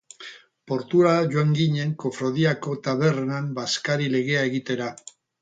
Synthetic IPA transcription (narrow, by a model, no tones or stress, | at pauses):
po̞ɾt̪uɾaʝoaŋɡiɲe̞ŋko̞fɾo̞ðiako̞t̪aβe̞ɾnambaskaɾile̞ɣ̞e̞ae̞ɣit̪e̞ɾa